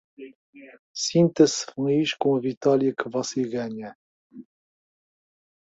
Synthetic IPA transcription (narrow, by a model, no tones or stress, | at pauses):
sĩnt̪ɐsfũiʃkõɐvit̪ɔlˠjɐkɨvɔseɣaɲɐ